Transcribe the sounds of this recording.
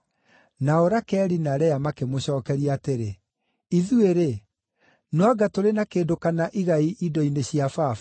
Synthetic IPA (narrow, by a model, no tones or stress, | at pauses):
naoɾakɛːɾinaɾɛjamakemoɕɔːkɛɾiaːteɾe | iðueɾe | nwaɡatoɾenakeːdokanaʔiɣaiʔidɔineɕiafaf